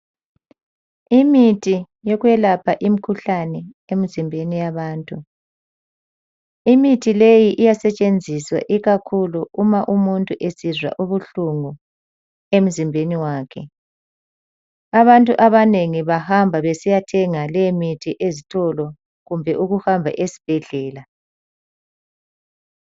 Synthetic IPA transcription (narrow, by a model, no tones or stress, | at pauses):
imitʰi | jɔɣwjɛlapʰaʔimikʰuɬanɛ | em̩zimbʱenijaβaːntʼu | imitʰilejiʔijasɛt͡ʃʼend͡zʱiswa̰ʔiɣakʰuluumaʔumuntʼuʔesizwa̰ʔuβuɬuŋu | em̩zimbʱeniwaːkʰɛ̰ | aβantʼuʔaβaneŋiβahambʱaβesijatʰɛŋalɛmitʰiʔezitʰɔlɔ | ɣumbʱɛʔuɣuhambʱa̰ʔesi̥b̥ʱɛɮɛːla